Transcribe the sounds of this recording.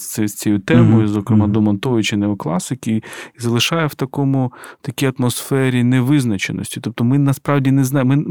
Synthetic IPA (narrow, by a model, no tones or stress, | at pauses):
ɛsʲt͡sʲɛjut̪ɛmɔjʊzɔkɾɪmɑd̪ɔmɔnt̪ɔjɪt͡ʃɪnɛɔklˠɑsɪkʲiizɐlˠɪʃɑjɛwt̪ɐkɔmʊt̪ɐkʲijɐt̪mɔsfɛɾʲinɛʋɪznɐt͡ʃḛnɔ̰sʲtʲi̥t̪ɔp̚t̪ɔmɪnɐspɾɑwdʲinɛznɑmɪ